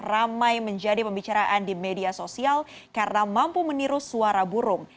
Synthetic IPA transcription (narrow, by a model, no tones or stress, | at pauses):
ramajməɲd͡ʒadipəmbit͡ʃaɾaʔandimediasosial | kaɾənamampuməniɾusuaɾabuɾʊŋ